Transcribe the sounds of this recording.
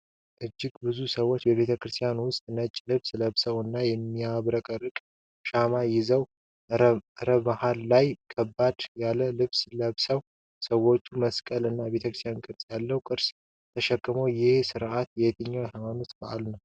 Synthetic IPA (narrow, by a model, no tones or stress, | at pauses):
ʔɨd͡ʒːɪɡbɨzusəwːo̞t͡ʃːbəβe̞t̪ʰəkɨɾɨst̪ʰijanwʊst̪ʼnət͡ʃʼːlɨβsləβsəwɨnːajɛmːiaβɾəkʼəɾɨkʼ | ʃamajɪzəw | ɾəmahalːajkʰəbːad̪̥jalːəlɨβsləβsəw | səwːo̞t͡ʃːuməskʼəlɨnːaβe̞t̪ʰəkɾɨst̪ʰjankʼɨɾsʼjalːəwkʼɨɾs | t̪ʰəʃɛkːɨməwjɪhsɨɾʔat̪jɛjt̪ʰɨɲːawjhamanot̪baʔa̰lnəw